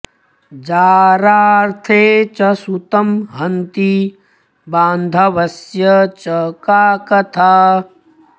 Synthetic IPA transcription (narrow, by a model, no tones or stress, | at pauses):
d͡ʒaːɾaːɾt̪ʰeːt͡ʃɐsut̪ɐmɦɐnt̪i | baːnd̪ʱɐʋɐsjɐt͡ʃɐkaːkɐt̪ʰaː